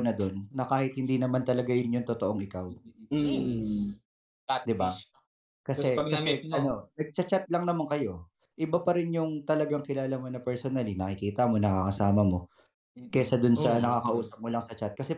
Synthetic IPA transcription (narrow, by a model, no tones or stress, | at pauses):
nɐd̪o̞nːɐkaːhɪt̪̚hɪnd̪iːnɐmant̪ɐlɐɡajʊnjʊŋt̪ot̪o̞ʔo̞ŋɪkaw | d̪ɪba | kɐsɛkɐsɛɐnonɐɡ̚t͡ʃɐt͡ʃat̪̚lɐŋnɐmaŋkɐjo̞ | ʔɪbapɐɾɪnjʊŋt̪ɐlɐɡaŋkɪlaːlɐmonɐpɛɹsonɐlinɐkɪkiːt̪ɐmo̞nɐkakɐsaːmɐmo | kɛsɐd̪ʊnsɐnɐkakɐʔuːsɐp̚molɐŋsɐt͡ʃat̪̚kɐsɛ